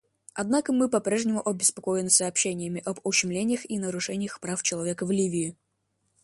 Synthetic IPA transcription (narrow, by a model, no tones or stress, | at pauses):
ɐd̪nakəmɨpɐpɾʲeʐnʲɪmʊʔɐbʲɪspɐkojɪmsɐːpɕːenʲɪjəmʲɪʔɐbʊɕːɪmlʲenʲɪjəxinəɾʊʂɛnʲɪjəxpɾaft͡ɕɪlˠɐvʲekəvlʲivʲɪɪ